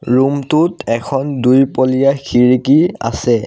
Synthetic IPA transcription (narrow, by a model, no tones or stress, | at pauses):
ɹumtʊtɛkʰɔndujpolijaxʰiɹikia̰sɛ